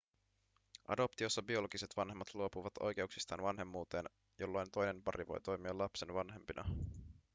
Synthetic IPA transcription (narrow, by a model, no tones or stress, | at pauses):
ʔɑ̰do̞pt̪io̞sːɑbio̞lo̞ɡ̥ise̞t̪ʋɑnɦe̞mːɑt̪luo̞puʋɑt̪o̞̰jk̟e̞uksi̥st̪ɑ̰ːnʋɑnɦe̞mːuːt̪e̞ːn | jo̞lːo̞jnt̪o̞jne̞npɑɾiʋo̞̰jt̪o̞jmiɑlɑpse̞nʋɑnɦe̞mpinʔɑ̰